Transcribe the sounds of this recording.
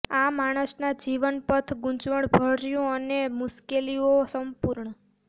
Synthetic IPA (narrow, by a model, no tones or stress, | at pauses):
amaɽ̃əsnad͡ʒiʋənpət̪ʰɡũt͡ʃʋəɳbʱəɽɾjũənemʊskeliosəmpuɾɳə